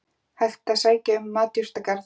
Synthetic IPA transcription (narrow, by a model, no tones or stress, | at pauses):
hal̥t̪asaːjcaʏmːaːt̪jʏst̪akaɾ